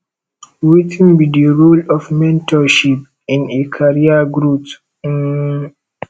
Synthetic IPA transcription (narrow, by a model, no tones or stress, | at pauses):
witʰĩnbidəɹulɔfmɛ̃ntʰɔʃip̚ | ĩnekʰaɹiaɡɹut